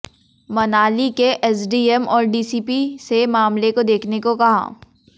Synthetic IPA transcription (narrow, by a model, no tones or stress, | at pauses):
mɐnaːlikeʔɛsɖiːɛmɔːɾɖiːsiːpisemaːmlekod̪eːkʰnekokɐɦa̰ː